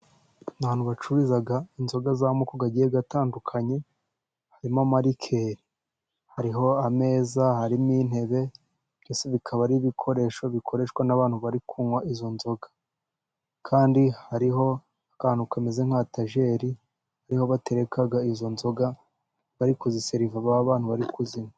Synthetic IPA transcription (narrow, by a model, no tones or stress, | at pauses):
naβaːn̥huβat͡ʃuβizaɡainzo̞ɡazamokoɡaɟijeɡataːndukʰaɲe̞ | haɾimomaɾikʰe̞ɾi | haɾiɦo̞ame̞ːzahaɾimin̥he̞βe̞ | bjoːse̞βikʰaβaɾiβikʰoɾe̞ʃo̞βikʰo̞ɾe̞ʃwanaβaːn̥huβaɾikʰuŋwaizo̞nzo̞ɡḁ | kʰaːndihaɾiɦo̞ | akaanukamezeŋ̥hataʒe̞ɾi | haɾiho̞βate̞ɾe̞kaɡaizo̞nzo̞ɡa | βaɾikuziseɾivaβaβaːnhuβaɾikuziŋa